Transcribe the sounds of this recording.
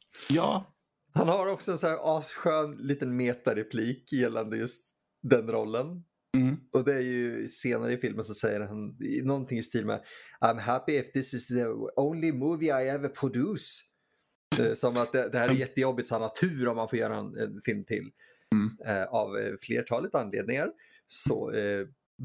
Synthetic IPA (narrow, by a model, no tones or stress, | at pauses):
jɑː | hanhaɾɔksɔɛnsæːɾʔɑːsɧøːnliːt̪ənmeːt̪aɾɛpʰliːkjɛlːand̪əjɵst̪ | d̪ɛnɾɔlːən | ɔd̪ɛæɾjɵseːnaɾəɪfɪlməns̬ɔsɛjːəɾhannɔnt̪ʰɪŋɪst̪ʰiːlmɛ̰ʔaɪmɦæpɪɛfd̪ɪsɪsðəõʊ̃nlɪmuːvɪaɪɛvəpʰɹɔd̪ʉs | ɛsɔmat̪̚d̪ɛd̪ɛhæːɾɛɾjɛt̪ːəjɔbːɪt̪sɔanat̪ʰʉ̟ːɾɔmːanfoːɾjœ̰ːɾaɛnɛ̰nfɪlmt̪ʰɪ̰lː | ɛavflḛːʈʰɑːlɪt̪anlḛːd̪nɪŋaɾ | sɔ̰ɛ